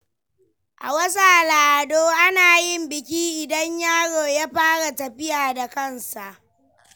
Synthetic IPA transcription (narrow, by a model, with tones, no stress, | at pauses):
ʔa̰˨wɐ˦saː˨laː˨ʔa˨doː˦ʔa˦naː˨jɪ˦mbɪ˨kʲiː˦ʔɪ˨dɐ˦ɲjaː˦ɽoː˨jaː˦ɸaː˦ɽa˨tɐ˨ɸɪ˦jaː˨da˨kɐ˦nsa˨ʔ